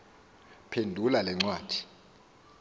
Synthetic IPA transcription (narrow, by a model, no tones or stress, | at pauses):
pʰendʱulalɛŋ͡ǀwaːd̥ʱi̥